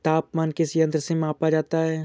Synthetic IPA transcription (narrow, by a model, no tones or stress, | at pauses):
t̪aːpmaːnkɪsiɐ̃nt̪ɾəsemaːpad͡ʒaːt̪aɦɛː